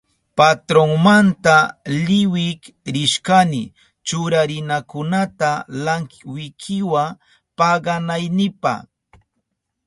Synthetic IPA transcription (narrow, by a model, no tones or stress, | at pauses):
pat̪ɾoŋmant̪alɪwɪk | ɾɪʃkanɪ | t͡ʃʊɾaɾɪnakʊnat̪alaŋwɪkʰɪwa | pɑɢɑnajnɪpɑ̰χ